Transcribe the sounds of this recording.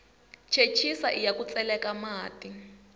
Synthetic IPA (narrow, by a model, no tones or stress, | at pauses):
t͡ʃʰet͡ʃʰisaʔijakut͡sʼɛlɛkamaːtʼi